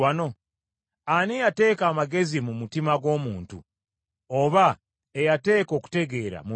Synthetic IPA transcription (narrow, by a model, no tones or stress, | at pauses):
ano̞ | anejate̞ːkaːmaɡe̞zimumutimaɡo̞ːmuːntṵ | oβa | ejate̞ːko̞ːku̥te̞ɡe̞ːɾa̰mu